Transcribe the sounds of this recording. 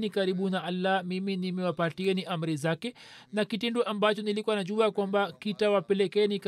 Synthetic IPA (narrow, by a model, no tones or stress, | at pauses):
nikaɾiɓunaʔalːamiminimɛwapatiɛniʔam̩ɾizakɛnakitinduʔambat͡ʃɔnilikuwanaʄuakwambakitawapɛlɛkɛːnik